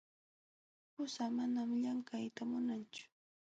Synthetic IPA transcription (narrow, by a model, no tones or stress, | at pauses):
pʊsamanamʎaŋkajt̪amʊnant͡ʃʊ̥